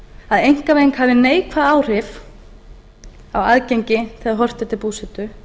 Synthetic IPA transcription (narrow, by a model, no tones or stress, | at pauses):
aðejŋ̥kavejŋkhavðɪneːjkʰvaðaːwr̥ɪf | awaðcejɲcɪθʰɪaðɦɔr̥t̪ɛt̪ɪlpuːsɪt̪ʏ